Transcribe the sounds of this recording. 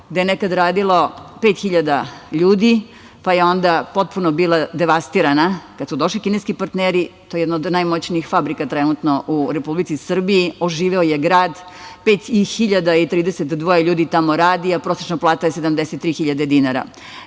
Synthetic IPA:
ɡd̪ejenekad̪ɾaːd̪ilo̞peːt̪xiʎad̪aʎuːd̪i | pajeo̞nd̪apo̞t̪̚punobiːlˠad̪eʋast̪iɾanakad̪sud̪o̞ʃlikineskipaɾt̪neːɾit̪ojeɛd̪naod̪najmot͡ɕniixfabɾikat̪ɾenut̪noʔuɾepublit̪sisr̩biioʒiːʋeojeɡɾaːd̪ | peːt̪ixiʎad̪ait̪ɾiːd̪eset̪d̪ʋojeʎuːd̪it̪amoɾaːd̪iapɾoset͡ʃnoplˠaːt̪ajesed̪amd̪eset̪ːɾiːxiʎad̪ed̪inaɾa̰

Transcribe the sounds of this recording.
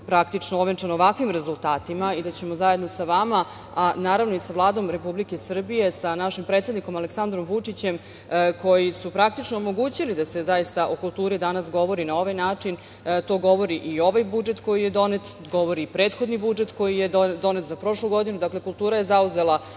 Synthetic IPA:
pɾakt̪it͡ʂnooʋent͡ʂanoʋakʋimɾe̞zulˠt̪aːt̪imaid̪at͡ɕe̞mo̞zaje̞d̪no̞saʋama | anaːɾaʋno̞isaʋlˠaːd̪o̞mɾe̞publikesr̩bije̞sanaʃimpɾet̪sed̪niko̞maleksand̪ɾo̞mʋut͡ʂit͡ɕe̞m | ko̞jisupɾakt̪it͡ʂnoːmo̞ɡuːt͡ɕilid̪ase̞zajist̪aʔokulˠt̪uːɾid̪anasɡo̞ʋo̞ɾinao̞ʋajnaːt͡ʂin | t̪o̞ːɡo̞ʋo̞ɾiʔio̞ʋajbud͡ʒet̪ko̞jije̞d̪o̞net̪ɡo̞ʋo̞ɾipɾe̞ːt̪xo̞d̪nibud͡ʒet̪ko̞jijed̪o̞ne̞t̪zapɾo̞ʂluɡo̞d̪inud̪akle̞kulˠt̪uːɾaje̞zauze̞la

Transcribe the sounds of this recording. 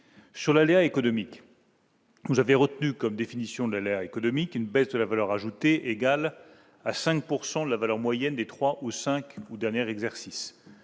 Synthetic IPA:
syʁlaleaekɔnɔmik | vuzaveʁət̪nykɔmd̪efinisjɔ̃d̪əlaleaekɔnɔmikynbɛzd̪əlavalœʁaʒut̪eʔeɡal | asɛ̃k̚puʁsɑ̃d̪əlavalœʁmwajɛnd̪et̪χwaʔusɛ̃kud̪ɛʁnjɛʁɛɡzɛʁsis

